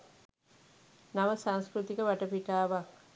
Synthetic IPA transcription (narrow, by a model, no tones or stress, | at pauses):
naʋəsaŋskɾut̪ikəʋaʈɐpiʈaːʋaː